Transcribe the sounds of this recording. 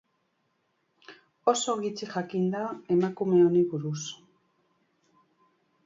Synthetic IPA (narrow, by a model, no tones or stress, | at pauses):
o̞so̞ɣit͡siʝakind̪ae̞makume̞o̞niβuɾus